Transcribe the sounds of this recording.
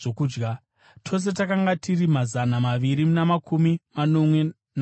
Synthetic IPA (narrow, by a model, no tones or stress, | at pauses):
okuːd͡ʒɡa | tʰo̞s̬e̞t̬akaŋɡatʰirimazanamaʋiɾimunamakʰumimano̞mwe̞ | n